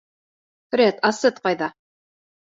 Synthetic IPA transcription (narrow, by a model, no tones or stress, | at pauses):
ɾet̪ɑsɤt̪̚qɑjðɑ